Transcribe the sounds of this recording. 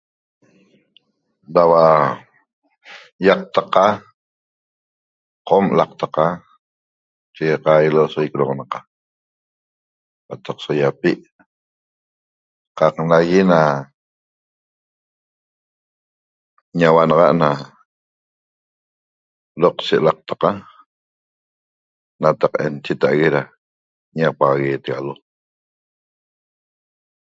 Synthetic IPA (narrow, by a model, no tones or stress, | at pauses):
dawa | jaq̚t̪aqa | qomlaq̚t̪aqa | t͡ʃeqajilosoikɾoʁnaqa | qat̪aqsojapiʔ | qɑqnaɣina | ɲawanɑʁɑʔna | loqt͡ʃeʔlaq̚t̪ḁqa | nat̪aqent͡ʃet̪aʔɣeɾa | ɲapaʁaɣeːt̪eɣa̰lo